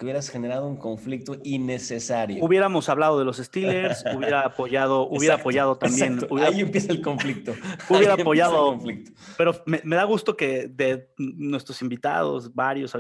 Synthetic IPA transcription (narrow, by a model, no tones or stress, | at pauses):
keuβjeɾasxene̞ɾaðouŋko̞ɱflik̚t̪oinesesaɾjouβje̞ɾamo̞saβlað̞o̞ð̞e̞lo̞se̞st̪ileɾsuβje̞ɾaːpoʝaðo̞ʔuβje̞ɾaːpo̞ʝað̞o̞t̪ambje̞nuβjeɾaiempjesaelkoɱflik̚t̪ouβjeɾapoʝaðoflikt̪o̥pe̞ɾomeme̞ðaɣust̪o̞ke̞ðenwe̞st̪ɾo̞simbit̪a̰ðo̞̰sβaɾjo̞sa